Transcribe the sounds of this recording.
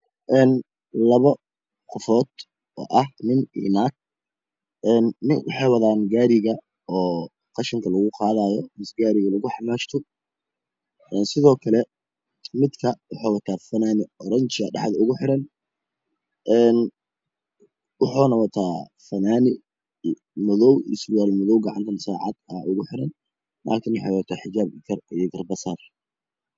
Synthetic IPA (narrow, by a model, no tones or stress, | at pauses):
ʔɛːn | lɐβɐ | qɔfɔːd̪ | ɔ̰ːʔɐhnɪnɪ̰naːk̚ | ʔɛːnːɪ̰ŋwɑ̰ħɑjwɐðaːnɡaːɾɪɣɐ | ɔː | qɑʃɪŋkʰɐlɐɣʊqɑːðaːjɔmɪsɡaːɾɪɣɐlɐɣʊħɑmaːʃt̪ʰʊ | ʔɛːnsɪðɔːkʰɐlɛ | mɪd̪kʰɐwɑħɑːwɐt̪ʰaːfɐnaːnɪɔɾɐɲt͡ʃɪɐɖɑ̰ħd̪ɐʊɣʊħɪɾɐn | ʔɛːn | wɑħɔːnɐwɐt̪ʰaː | fɐnaːnɪ | mʊðɔwɪ̰sbɪaːlmʊðɔwɡɑʕɑ̰nt̪ʰɐnsaːʕɑ̰d̪ɐʔʊɣʊħɪɾɐnː | a̰ːlkʰɪnwɑħḛjwɐt̪ʰaːħɪt͡ʃaːbɪkʰɐrijɡɐrbɐsar